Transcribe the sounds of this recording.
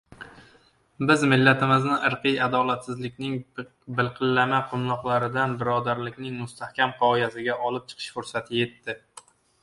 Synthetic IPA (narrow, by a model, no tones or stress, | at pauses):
bɪzmɪlːat̪ʰɪmɪznɪʔɨɾqɨjad̪ɒlˠat̪sɪzlɪkʲnɪŋ | bɪlˠqʰɨlːamaqʰʊmlˠɒqlˠaɾɪd̪anbɪɾɒd̪aɾlɪkʲnɪŋmʊst̪ʰahkʲamqʰɒjasɪɡʲaʔɒlˠɪp̚t͡ʃʰɨ̥qʰɨ̥ʃfʊɾsat̪ʰɪje̞t̪ːɪ